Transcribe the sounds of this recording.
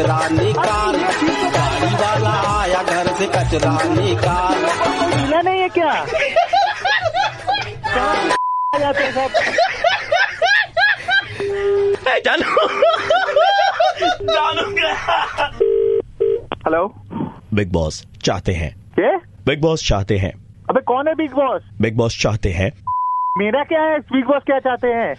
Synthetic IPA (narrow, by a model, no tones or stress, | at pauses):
ɾaːnikaːlbʱaːɾiʋaːlajaɡʱɐɾsekɐt͡ʃɾaːnikaːlbiːlanɐɦĩɦɛ̃kjaː | kaːd͡ʒaːt̪eɛ̃sɐb | ɛd͡ʒaːlo | d͡ʒaːlo | hɛloː | bɪɡ̚bɔ̰ːs | t͡ʃa̰ːɦt̪eɦɛ̰̃ː | keː | bɪɡ̚bɔːst͡ʃa̰ːɦt̪eɦɛ̰̃ː | ɐbẽkɔːnɦɛbɪɡbɔːsbɪɡ̚bɔːst͡ʃa̰ːɦt̪eɦɛ̰̃ːmeːɾakjaːɦɛsbiːɡ̚bɔːskjaːt͡ʃaːɦt̪eɦɛ̃ː